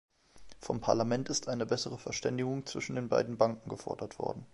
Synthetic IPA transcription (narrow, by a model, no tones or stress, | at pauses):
fɔmpʰaɐlamɛntɪstʔaɪnəbɛsəʁ̞əfɛɐʃtɛndɪɡʊŋt͡sv̥ɪʃn̩deːnba̰ɪdn̩baŋkŋ̩ɡəfɔ̰ɐdɐtv̥ɔ̰ɐdn̩